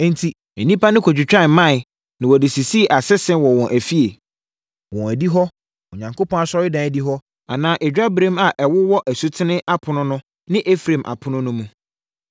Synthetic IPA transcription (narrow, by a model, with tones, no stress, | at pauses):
n̩˦tʰi˨ | ɛ˨nĩ˦pa˦nɪ̃˦kʰɔ˨d͡ʑᶣɪ˨t͡ɕᶣã˦˨˦mã˦˨ | nɪ̃˨wɔ˨dɪ˨si˨si˦˨ʔa˨sɛ˦sɛ̃˦wɔ˨wɔ̃˨ʔæ˨fi˦e˨ | wɔ̃˨æ˨di˦ɦɔ˦ | o˨ɲã˨ŋkʰo˦pɔ̃˦a˨sɔ˦ɪ˦dã˨˦˨di˦ɦɔ˦ | a˨nãː˦ʔɛ˨d͡ʑᶣa˦bɾẽ˦ma˨ʔɛ˨wʊ˦wɔ˦ʔæ˨su˦tʰɪ˦nɪ̃˦ʔa˦pʰʊ˨nʊ̃˦nʊ̃˦ | nɪ̃˦ʔe˦fɾẽ˨mʔa̰˨pʰʊ˦nʊ̃˦nʊ̃˦mũ˦